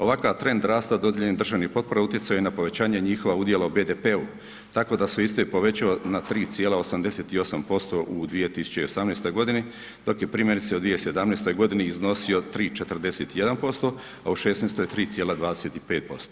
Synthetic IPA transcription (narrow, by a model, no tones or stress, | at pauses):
o̞ʋakaʋt̪ɾe̞nd̪ɾaːst̪ad̪o̞d̪jeʎenid̪r̩ʒaːʋnipo̞t̪̚po̞ɾaut̪jet̪sajojenapo̞ʋe̞t͡ɕaːɲeɲiːxo̞ʋaud̪jelaube̞ːd̪epeu | t̪ako̞ːd̪asʋeist̪oepo̞ʋe̞t͡ɕaonat̪ɾiːt̪sijeːlaosamd̪eseːt̪io̞sampo̞st̪o̞ʔud̪ʋije̞t̪isu̥t͡ɕeio̞samneːst̪o̞jɡo̞d̪ini | d̪o̞kjepɾimjenit̪seod̪ʋijesed̪amnest̪o̞jɡo̞d̪iniːzno̞sio̞t̪ɾiːt͡ʃe̞t̪rd̪eseːt̪ije̞d̪anpo̞st̪o̞ | auʃesneːst̪ojt̪ɾiːt̪sijeːlad̪ʋaːd̪eseːt̪ipeːt̪̚po̞̰st̪o